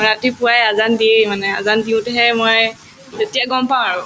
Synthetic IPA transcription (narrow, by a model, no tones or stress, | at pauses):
ɹatipuajazandiejmanɛazandiʊ̃tɛɦɛmɔj | zetijaɡɔmpãaɹʊ̃